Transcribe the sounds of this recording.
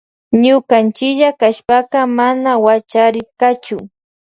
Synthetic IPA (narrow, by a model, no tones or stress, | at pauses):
ɲʊkant͡ʃɪkʎakaʃpaqɑmanawat͡ʃaɾɪɾkat͡ʃʊ